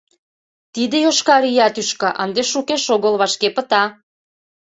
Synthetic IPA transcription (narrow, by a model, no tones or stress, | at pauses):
t̪id̪ĕjoʃkɑɾijɑt̪yʃkɤ̆ʔə̰nd̪eʃukeʃoɣə̆lβɑʃkepə̆t̪ɑ